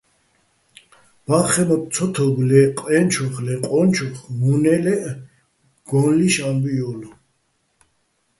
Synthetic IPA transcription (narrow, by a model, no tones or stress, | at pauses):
b̥aχɛmɔt̚t͡sʰɔt̪ʰɔɡlɛqʼɛnt͡ʃʰɔχlɛqʼɔnt͡ʃʰɔχmunɛlɛʔ | ɡ̥ɔnliʃambijɔlu